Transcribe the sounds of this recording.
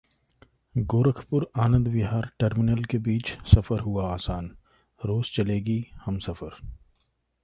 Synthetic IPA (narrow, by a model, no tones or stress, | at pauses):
ɡoːɾəkʰpʊɾaːnə̃nd̪ʋɪɦaːɾʈəɾmɪnəlkebiːt͡ʃsɐfəɾɦuaaːsaːn | ɾoːz̥t͡ʃɐleːɡihɐmsɐfəɾ